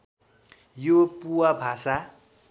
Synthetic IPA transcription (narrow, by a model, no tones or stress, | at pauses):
jopuwabʱasa